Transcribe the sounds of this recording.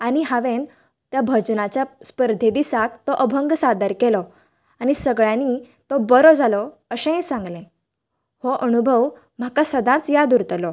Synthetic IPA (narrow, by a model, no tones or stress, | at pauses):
añiɦaʋen | t̪jabʱəd͡ʑnat͡ɕjaspəɾd̪ʱed̪isakt̪ɔʔəbʱəŋɡsad̪əɾkɛlɔ | añisəɡɭjãni | t̪ɔbəɾɔd͡zʱalɔ | əɕẽẽsãŋɡlẽ | hoʔənubʱəʋ | m̤akasəd̪ãt͡sjad̪uɾt̪lɔ